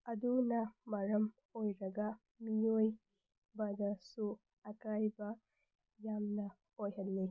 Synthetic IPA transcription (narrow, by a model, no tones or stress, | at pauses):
ɐdunɐmɐɾɐm | ojɾɐɡɐ | mijoj | bɐdɐsu | ɐkajbɐ | jamnɐ | ojɦɐlːi